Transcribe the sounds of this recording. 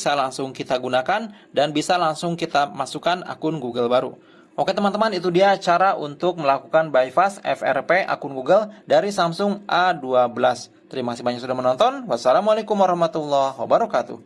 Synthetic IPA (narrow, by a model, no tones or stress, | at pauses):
salaŋsʊŋkit̪aɡunakan | danbisalaŋsʊŋkit̪amasukana̰kʊnɡuɡəlbaɾṵ | ʔokɛt̪əmant̪əmanit̪udiat͡ʃaɾaʔunt̪ʊk̚məlakukanbajfasɛ̰fɛ̰rpeʔa̰kʊnɡuɡəldaɾisamsʊŋʔaduabəlas | t̪əɾimakasihmaɲaksudahmənɔnt̪ɔnwasːalamualekʊmwaɾɑhmat̪ulːɔhwa̰baɾɔkat̪ṵ